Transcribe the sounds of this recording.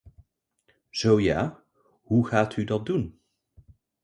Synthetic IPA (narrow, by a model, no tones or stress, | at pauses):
z̥owjaː | ɦuχaːtʰydɑt̚dun